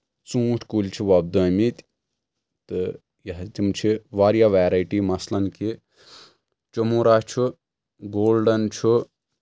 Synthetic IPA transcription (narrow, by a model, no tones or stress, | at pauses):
t͡sũːʈʰkulʲt͡ʃʰiʋɐb̚d̪ɐmit̪ʲ | t̪ɨ | jɐɦt̪imt͡ʃʰiʋaːɾjaʋaːɾajʈimɐslɐnki | t͡ʃomuːɾat͡ʃʰu | ɡoːlɖɐnt͡ʃʰu